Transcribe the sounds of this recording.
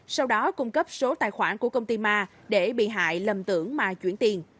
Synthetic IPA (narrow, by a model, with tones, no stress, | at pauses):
sa˧wɗɔ˨˦kʊ˧ŋ͡mkə˦˥p̚so˨˦t̪aː˧˨˩jxwaː˧˩nku˧˩əkə˧wŋ͡mt̪i˧maː˧ | ɗe˧˩ɓḭ˧˨ɦa̰ː˧˨jlə˨˩mt̪ɨ˧˩əŋmaː˨˩t͡ɕwḭ˧˩ənt̪i˨˩ən